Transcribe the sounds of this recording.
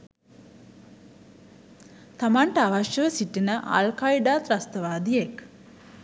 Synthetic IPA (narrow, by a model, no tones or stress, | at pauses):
t̪amaɳʈəaʋaʃjəʋəsiʈinəʔa̰lkaiɖaːt̪ɾast̪əʋaːd̪ijek